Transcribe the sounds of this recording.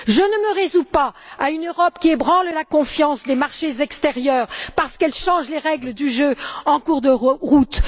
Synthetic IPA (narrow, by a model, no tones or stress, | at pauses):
ʒənəməʁezupaaynøʁɔpkʲiebʁɑ̃llakɔ̃fjɑ̃sd̪emaʁʃezɛkst̪eʁjœːʁpaʁsə̥kɛlʃɑ̃ʒleʁɛɡləd̪yʒøɑ̃kuʁd̪əʁut̪